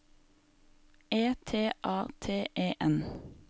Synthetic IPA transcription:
eːt̪ʰeːʔɑːt̪ʰeːʔeːʔɛn

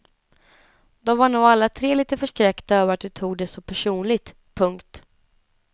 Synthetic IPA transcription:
d̪ɔmvaɳuːɡalːat̪ʰɾeːliːt̪əfœʂkɾɛkt̪aœːvəɾat̪̚d̪ɵt̪ʰuːɡ̚d̪ɛsɔpʰæʂuːnlɪt̪ | pʰɵŋkt̪

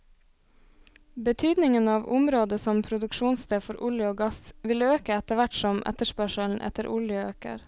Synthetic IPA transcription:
bət̪ʰyːd̪nɪŋənɑːʋʊmɾoːd̪əsɔmpʰɾʊd̪ʉkʃuːnsd̪eːfɔɾʔʊljəoːɡɑsʋɪløːkəɛt̪əʋæʈsɔmʔɛ̰t̪əʃpœʃəln̩ʔɛ̰t̪əɾʔʊljəøːkə̰ɾ

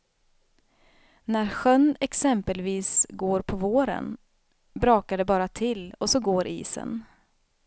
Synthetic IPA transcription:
næɾɧœnːɛksɛmpəlviːsɡoːɾpʰɔvoːɾə̰n | bɾɑːkaɖɛbɑːɾat̪ʰɪlːɔsɔɡoːɾʔḭːsə̰n

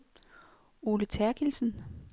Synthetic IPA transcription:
oːlət͡sʰæɐɡ̥ilsn̩

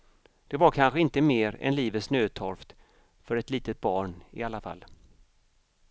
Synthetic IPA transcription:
d̪̥ɛvaɾkʰanɧəɪnt̪əmeːɾɛ̰nliːvət̪snøːt̪ʰɔɾft̪ | fœɾɛt̪liːt̪ət̪̚bɑːɳɪ̰alːafa̰lː

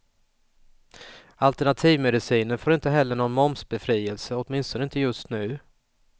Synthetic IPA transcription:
alt̪æɳat̪ʰiːvmɛd̪ɪsiːnənfoːɾɪnt̪əɦɛlːəɳɔnmɔmsbɛfɾiːɛlsəɔt̪mɪnst̪ɔnəɪnt̪əjɵst̪nʉ̟ː

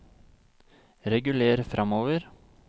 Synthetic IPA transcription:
ɾɛɡʉleːɾəfɾʔɑmoːʋəɾ

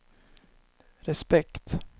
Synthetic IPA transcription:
ɾɛspɛkt̪

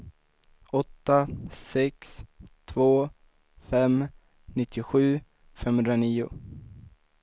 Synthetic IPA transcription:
ɔt̪ːasɛkst̪ʰvoː | fɛm | nɪt̪ʰːɪɧʉ̟ː | fɛmhɵnd̪ɾaniːʊ̰

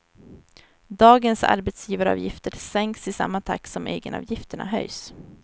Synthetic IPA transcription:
d̪ɑːɡənsa̰ɾbɛt̪sjiːvaɾəɑ̰ːvjɪft̪əɾsɛŋksɪsa̰mːat̪ʰa̰kːsɔmeːɡənɑ̰ːvjɪft̪əɳa̰ɦœ̰js

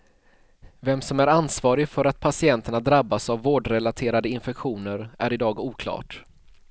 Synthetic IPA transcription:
vɛmsɔmæɾansvɑːɾɪɡfœɾat̪̚pʰasɪɛnt̪əɳad̪ɾabːasavːoːɖɾɛlat̪ʰeːɾad̪əɪnfɛkɧuːnəɾʔæ̰ɾɪd̪ɑːɡuːkʰlɑ̰ːʈ

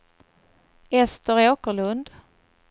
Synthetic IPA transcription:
ɛst̪əɾoːkəɭɵnd̪

